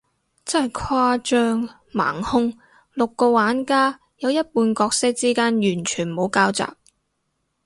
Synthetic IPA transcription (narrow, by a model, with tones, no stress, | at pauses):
t͡sɐ˥hɐ˨˩jkʰwaː˧t͡ʃœː˧ŋ | ma̰ː˨˩ŋhʊ˥ŋ | lʊ˨kːo˧waː˨˥nkaː˥ | jɐ˨˧wjɐ˥t̚puː˧nkɔː˧k̚sɪ˥k̚t͡siː˥kaː˥njyː˨˩nt͡ʃʰyː˨˩nmo˨˧wkaː˥wt͡sa̰ː˨k̚